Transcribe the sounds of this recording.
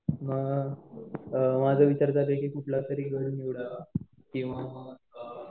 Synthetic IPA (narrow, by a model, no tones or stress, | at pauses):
məɡ | mad͡zʱaʋit͡ɕaɾt͡sapekekuʈʰlasəɾiɡʱəɽuniʋɽaʋa | kĩw̃ʋa